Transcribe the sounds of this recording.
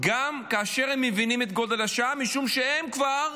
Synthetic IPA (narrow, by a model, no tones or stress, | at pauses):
ɡamkaːʃe̞ʁhemːevinimet̪̚ɡo̞de̞laʃaamiʃumʃee̞mkvaʁ